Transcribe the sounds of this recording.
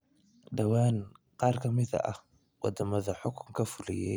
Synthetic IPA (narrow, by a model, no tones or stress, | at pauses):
ɖɐwaːn | qɑːrkʰɐmɪðɐ̰ʔɐh | wɑd̪ɐmɐðɐħʊkʰʊŋkʰɐfʊlɪ̰jɛ